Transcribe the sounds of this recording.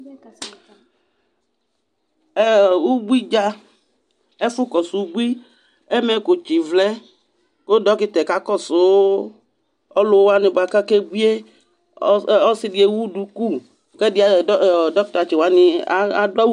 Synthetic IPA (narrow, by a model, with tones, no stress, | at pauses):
e˦wu˦bi˦d͡ʒa˦ | e˦fu˦kɔ˨su˨u˦bu˦i˦ | e˦me˨ko˨t͡ʃi˨vlɛ˦ | ko˦dɔ˦ki˦t̪ɛ˨ka˦kɔ˦so˨˦ | ɔ˦lo˨˦wa˦nĩ˨ba˨ka˦ke˦ɡ͡bi˦e˦ | o˦si˦ɖi˨e˨wu˦ɖu˨ku˦˨ | ke˦di˦a˨˦˨dɔ˦kt̪a˨t͡ʃi˨wa˦nĩ˨˦a˦dɔ˦